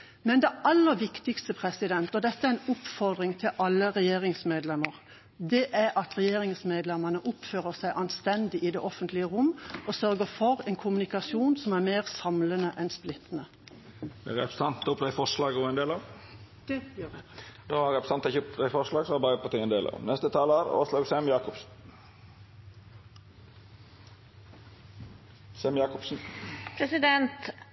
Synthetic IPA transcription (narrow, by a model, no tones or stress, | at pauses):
mɛnd̪ɛʔɑlːəɾʋɪkt̪ɪkst̪əpʰɾɛsɪd̪ɛnt̪ɔd̪ɛt̪ːəæɾɛnʊpfɔɾd̪ʁɪŋt̪ʰɪlʔɑlːəʁɛjeːʁɪŋsmeːd̪lɛməʁ | d̪ɛʔæɾɑt̪ɾɛjeːɾɪŋsmeːd̪lɛmənəʔʊpføːɾəsæɪʔɑnst̪ɛnd̪ɪʔɪd̪ɛʔɔfənt̪lɪəʁʊmːʔɔsœɾɡəfɔɾɛnkʰʊmʉnɪkɑsjuːnsɔmæɾmeːʁsɑmlənəʔɛnsplɪt̪ːnə | d̪ɛ̰ɾɛ̰pɾəsɑnt̪ːʊpʰlɛɪfɔʂlɑːɡɔɛnd̪eːlɑʋ | d̪oːɑɾɛpɾə̥sɑnt̪ɛçəʊpʰlefɔʂlɑːɡsɔɑbɑːɾəpʰɔt̪ʰɪŋɛnd̪eːlɑ̰ːʋnɛst̪ət̪ʰɑːləəɾo̰ːslɑːɡsɛmjɑːkʊps | sɛmjɑːkʊpsn̩pʰɾɛsɪd̪ɛnt̪